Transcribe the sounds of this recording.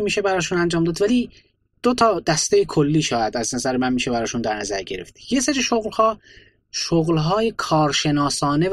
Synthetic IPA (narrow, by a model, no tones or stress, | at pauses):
miːʃe̞bæɾɒːʃuːnænd͡ʒɒːmd̪ɒːd̪væliː | d̪̥ot̪ʰɒːd̪æst̪ejekʰolːiːʃɒːjæd̪æznæzæɾemænmiːʃebæɾɒːʃund̪æɾnæzæɾɟe̞ɾeft̪jese̞ɾiʃoɣlhɒː | ʃoɣlɦɒːjekʰɒːɾʃe̞nɒːsɒːne̞